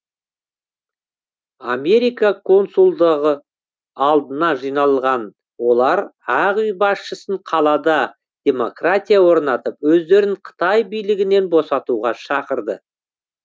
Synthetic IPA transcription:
ame̞ɾijkakʰo̞nsulˠd̪əʁə | ɑlˠd̪ənɑʒijnɑlˠʁɑn | wo̞lˠɑɾæʁijbɑsʃəsəɴqʰɑlˠɑd̪ɑ | d̪̥ʲe̞mo̞krat̪ʲijawo̞ɾnɑt̪əpwɵzd̪e̞ɾɪɴqʰə̥t̪ɑjbijlɪɡʲɪne̞nbo̞sɑt̪uʁɑʃɑqəɾd̪ə

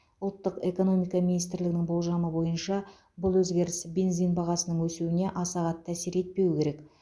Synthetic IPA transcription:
ʊlˠt̪ːəqe̞ko̞no̞mijkɑminijst̪ɪɾlɪɡɪnɪŋbo̞lˠʒɑməbo̞jənʃɑ | bʊlˠwɵzɡʲe̞ɾɪsbe̞nzijnbɑʁɑsənəɴwɵsuwɪne̞ʔɑsɑʁɑt̪ʰːæsiɾe̞t̪̚pe̞wɪkʲʰe̞ɾe̞k

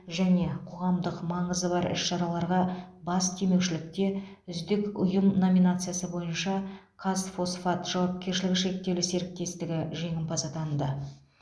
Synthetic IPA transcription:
ʒæne̞qʰo̞ʁɑmd̪əqmɑɴəzəbɑɾɪ̰ʃʃɑɾɑlˠɑɾʁɑbɑst̪ʰe̞me̞wʃɪlɪk̚t̪e̞ʏzd̪ɪkʊjəmno̞minat̪sɨjasəbo̞jənʃɑqʰɑsfo̞sfat̪ʒ̥ɑwɑp̚kʲe̞ɾʃɪlɪɡʲɪʃe̞k̚t̪e̞wlɪse̞ɾɪk̚t̪e̞st̪ɪɡʲɪʒe̞ŋʲɪmpʰɑzɑt̪ʰɑnd̪ə

